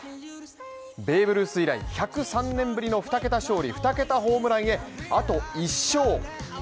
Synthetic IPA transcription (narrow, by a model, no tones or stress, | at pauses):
be̞ːbɯ̟ɾɯ̟sɨiɾaḭçakɯ̟sãnːẽ̞mbɯ̟ɾʲino̞ɸɯ̟̥t̪ake̞t̪aɕo̞ːɾʲiɸɯ̟̥t̪ake̞t̪aɦo̞ːmɯ̟ɾaie̞at̪o̞iɕːo̞ː